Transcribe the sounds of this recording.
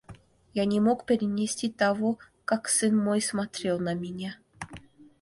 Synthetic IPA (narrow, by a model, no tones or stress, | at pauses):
jɑnʲemokpʲeɾʲinʲesʲtʲit̪ɑvo | kɑksɨnmojsmɑt̪ɾʲelˠnɑmʲenʲæ